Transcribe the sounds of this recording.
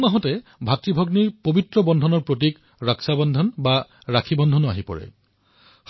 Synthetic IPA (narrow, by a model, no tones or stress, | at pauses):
maɦɔtɛbʱatɹibʱɔɡniɹpobitɹɔbɔndʱɔnɔɹpɹot̬ik | ɹaksabɔndʱɔnba | ɹakʰibɔndʱɔnɔa̰ɦipɔ̰ɹɛ̰